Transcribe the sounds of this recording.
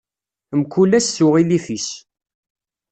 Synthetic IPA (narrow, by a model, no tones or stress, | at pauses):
mkulæsθʊʁilifis